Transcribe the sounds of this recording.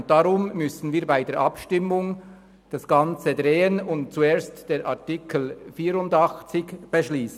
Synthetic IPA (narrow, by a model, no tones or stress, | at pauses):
nt̚d̥ɑʁʊmːʏsn̩viːɐbaɪdeːɹʔɑpʃtɪmːʊŋ | d̥ɑsɡ̥ɑnt͡sədʁeːənʊnt̚t͡sueːɐstd̥eːɾʔɑ̰ɐʁtikʰəl̩fiːɾʊndɑxt͡sɪçb̥əʃliːsn